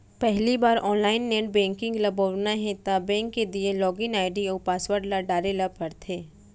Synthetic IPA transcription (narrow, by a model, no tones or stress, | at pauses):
pɛɦlibaːɾɔːnlaːɪnːeːʈbɛ̃ːŋkɪ̃ŋɡlɐboʋnaɦɛ̃t̪abɛ̃ːŋkːed̪ielɔːɡɪ̃ŋaːɪɖioːpaːswəɾɖlaɖaːɾelab̚pɐɾt̪ʰeː